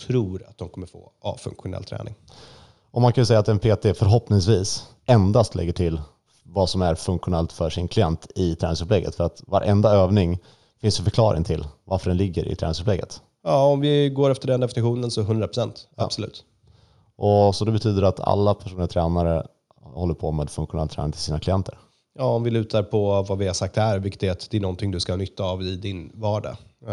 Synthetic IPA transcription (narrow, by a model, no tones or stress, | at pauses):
t̪ʰɾuːɾat̪̚d̪ɔmkʰɔmːəɾfo̰ːʔɑfɵ̰ŋkɧʊnɛ̰lːt̪ʰɾɛ̰ːnɪ̰ŋ | ʔɔmankʰanəsɛjːat̪ɛnpʰeːt̪ʰefœɾɦɔpnɪŋsviːs | ʔɛnd̪ast̪ʰlɛ̰ɡːəʈʰɪlː | vɑsɔmæɾfɵŋkɧʊnɛlt̪fœʂɪnkʰlɪjɛnt̪ɪt̪ʰɾɛːnɪŋsɵpʰlɛɡə̰t̪fœɾat̪vaɾʔɛnd̪aøːvnɪŋ | fɪnsd̪ɛfœɾkʰlɑːɾʔɪ̰ŋt̪ʰɪlvaɾfœɖɛnlɪɡːə̰ɾɪ̰t̪ɾɛːnɪŋsɵplɛɡːə̰t̪ | jɑːɔmvɪɡoːɾɛft̪əɖɛnd̪ɛfɪnɪɧuːnənsɔɦɵnd̪ɾapɾʊsɛnt̪a̰̥sɔlʉ̟ːt̪ | ʔɔsɔd̪ɛbɛt̪ʰyːd̪əɾat̪ʰa̰lːapʰæʂuːnɪat̪ʰɾɛːnaɾə̰ | hɔlːəɾpʰɔmeːɛd̪fɵŋkɧʊnɛlt̪ʰɾɛːnɪt̪ʰɪlsiːnaklɪjɛnt̪ʰəɾ | jɑːɔmvɪlʉ̟ːt̪ʰaɾpʰɔvavɪhasak̚t̪hæɾvɪkːət̪dɛat̪d̪̥ɛnɔnt̪ʰɪŋd̪ɵskahnʏt̪ʰːaːvɪd̪ɪnvɑːɖa̰